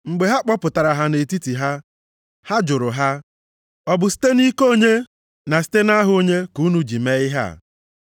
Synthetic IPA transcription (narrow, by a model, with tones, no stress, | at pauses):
ŋ͡m̩˨ɡ͡be˨ɦa˦k͡pɔ˦pʊ˨ta˨ɾa˨ɦa˦ne˨ti˦ti˨ɦa˦ | ha˦d͡ʒʊ˨ɾʊ˨ɦa˦ | ɔ˨bʊ˨si̥˦te˦ni˦ko˦˨ɲe˦ | na˨si̥˦te˦na˦ɦʊ˦o˦ɲe˦ku˨˦nu˨d͡ʒi˨me˦ɪ˦ɦa̰˦˨